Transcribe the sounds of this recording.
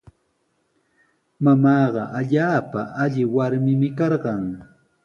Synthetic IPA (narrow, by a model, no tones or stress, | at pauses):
mamɑːɢɑʔaʎaːpa̰ʔaʎɪwaɾmɪmɪkɑɾɢɑŋ